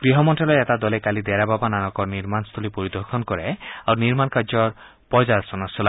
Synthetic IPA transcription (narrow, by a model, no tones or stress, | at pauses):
ɡ̥ɾiɦɔmɔnʈalɔeet̪ad̪ɔlekalid̪ɛɾababananɔkɔɾniɾmanst̪ʰulipoɾid̪ɔɾkʰɔnkɔɾeawniɾmankaɾd͡ʒɔɾ | pɔd͡ʒaɾsɔnasɔla